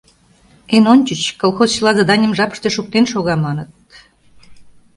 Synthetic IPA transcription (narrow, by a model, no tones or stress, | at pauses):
enonʲt͡ɕət͡ɕkolˠxozt͡ɕəlɑzɑd̪ɑnʲəmʒɑpə̥ʃt̪eʃuk̚t̪enʃoɣɑmɑnət̪̚